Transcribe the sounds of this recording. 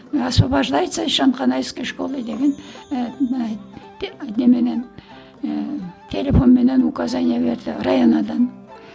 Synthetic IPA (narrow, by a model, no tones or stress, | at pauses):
ɑspɑbɑʒlˠɑjt̪sɑʃɑnqɑnɑjskʲeʃkolˠəjd̪eɡʲenm | d̪emenen | t̪ʰelʲefo̞nmenenukɑzanijeβeɾd̪ɪrɑjonɑd̪ɑn